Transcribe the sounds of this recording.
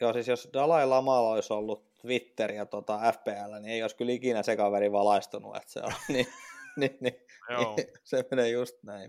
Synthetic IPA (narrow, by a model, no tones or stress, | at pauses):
joːsisjosdɑlɑilɑmɑloisolːutt̪ʋit̪ːeriɑt̪ot̪ɑæfpeːælːænieioiskylikinæsekɑʋæliʋɑlɑist̪unṵḛt̪sḛo̰nninininisemenejust̪næin